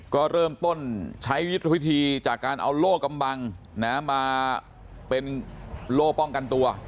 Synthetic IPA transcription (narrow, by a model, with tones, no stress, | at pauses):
kɔː˥˩ɾɤː˥˩mt̪o˥˩nt͡ɕʰa˦˥jwt̪̚ʰa˧wi˦˥t̪ʰiː˧t͡ɕaː˨˩kːaː˧nʔa̰˧wloː˥˩kkːa˧mba˧ŋ | na˦˥maː˧ | pe˧nloː˥˩k̚pɔ˥˩ŋka˧nt̪u˧ɐ